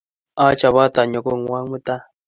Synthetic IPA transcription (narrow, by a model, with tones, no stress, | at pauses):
a˦t͡ʃa˨βa˦ta˨ɲɔ˨ko˦ŋ̩˨˦wa˦ŋmʊ˦t̪a˦